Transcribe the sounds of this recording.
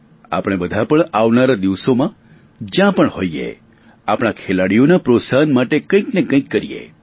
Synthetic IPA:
a̰pɽ̃ebəd̪ʱapəɳaʋnaɾad̪iʋsomã | d͡ʒjãpəɳhoiḛ | apɽ̃akʰelaɽijonapɾosaɦənmaʈekə̃ĩknekə̃ĩkːəɾijḛ

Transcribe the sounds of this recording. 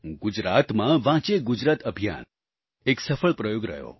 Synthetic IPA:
ɡud͡ʒɾat̪mãʋãt͡ʃeɡud͡ʒɾat̪əbʱija̰n | eksəfəɭpɾəjoɡɾə̰ɦjo̰

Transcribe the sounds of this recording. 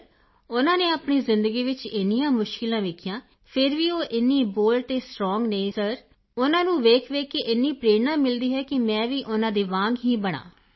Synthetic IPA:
ʊnãːneːaːpɳiːzɪnd̪əɡiːʋɪt͡ʃɪnijãːmʊʃkɪlãːʋeːkʰjãː | pʰɪɾʋiːoːʔɪnːĩːboːlt̪eːsʈɾɔːŋɡneĩːsəɾ | ʊnãːnũːʋeːkʰʋeːkːeːʔɪnːiːpɾeːnãːmɪld̪iːɦɛːkɪmɛ̃ːʋiːʔʊnãːd̪eːʋãːŋɡɦiːbəɽ̃a̰ː

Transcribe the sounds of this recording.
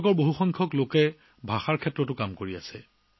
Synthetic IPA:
kɔɹboɦuxɔŋkʰɔklokɛ | bʱaxaɹkʰɛtːɹɔtʊkamkoɹiasɛ

